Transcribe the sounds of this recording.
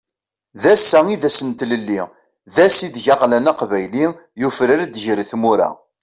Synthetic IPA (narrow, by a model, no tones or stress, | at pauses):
ðæsːæiðæsənt̪ləlːi | ðæsid̪ʝɑʁlænaqvæjli | jufɾəɾæd̪ʝɾiθmuɾæ̰